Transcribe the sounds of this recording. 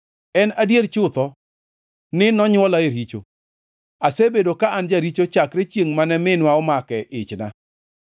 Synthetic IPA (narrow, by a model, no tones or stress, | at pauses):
ɛnadjeɾt͡ʃʊt̪ɔ | nɪnɔɲwɔlaeɾit͡ʃo̰ | asebedokaand͡ʒaɾit͡ʃot͡ʃakɾet͡ʃjeŋmanɛmɪnwaɔmakɛʔɪt͡ʃna̰